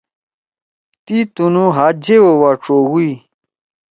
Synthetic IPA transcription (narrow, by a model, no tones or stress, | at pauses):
t̪it̪unũɦaːd͡ʑewowaːʈ͡ʂoːɣui